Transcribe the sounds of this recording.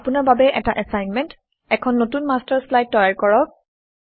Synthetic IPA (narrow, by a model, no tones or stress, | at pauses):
apunaɹbabɛʔɛtaʔɛsajnmɛnt | ɛkʰɔnːotunmastaɹslajd̚tːɔjaɹkɔɹɔk̚